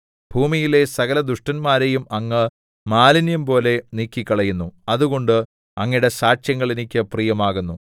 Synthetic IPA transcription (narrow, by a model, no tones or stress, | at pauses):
b̥ʱuːmijile̞sɐɣɐlɐd̪uʂʈɐnmaːɾe̞jumɐŋːɨ | maːlinjɐmpo̞ːle̞niːkːikʲːɐɭɐjunːuɐðuɣo̞ɳɖɨ | ɐŋːiɽe̞saːt͡ɕjɐŋːɐɭinikʲːɨprijɐmaːɣunːu